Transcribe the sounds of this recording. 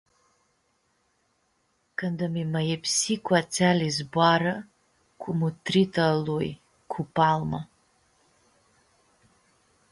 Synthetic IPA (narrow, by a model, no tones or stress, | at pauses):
kʰandamimajepʰsikʷʰʼat͡sʰalizbʷaɾa | kʷʰʼumutʰritʰaluj | kʷʰupʰʼalma